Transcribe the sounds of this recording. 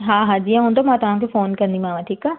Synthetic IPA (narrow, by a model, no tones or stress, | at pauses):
ɦãːɦãd͡ʒiãɦõːnd̪omãːt̪ʊɦãkefoːnkɐɾnd̪imaːʋãʈʰiːkaː